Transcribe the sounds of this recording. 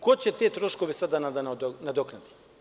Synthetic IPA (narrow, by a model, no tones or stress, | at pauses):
kot͡ɕɛt̪et̪ɾoʃkoʋɛsad̪anad̪ad̪nad̪oknat̪i̥